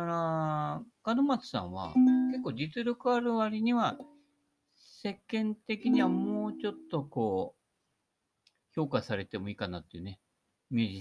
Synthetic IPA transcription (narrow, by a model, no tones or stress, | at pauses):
aɾa | ɡ̥ad̪omat͡sɨ̥sã̰ɰ̃βa̰ke̞kːo̞ːdit͡sɨɾʲo̞kɯ̟aɾɯ̟βaɾʲiɲ̟iβa | se̞kːẽ̞nt̪e̞kʲiɲ̟iβ̞amo̞ːt͡ɕo̞t̪ːo̞ko̞ː | ço̞ːkasaɾe̞t̪e̞mo̞iːkanat̪ːeiɯ̟ne̞ | mʲed͡ʑi